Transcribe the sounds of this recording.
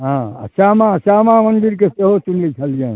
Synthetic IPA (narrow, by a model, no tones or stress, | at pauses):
ɦãsamasamamənd̪iɾkeseɦot͡ʃunlit͡ʃʰəlijã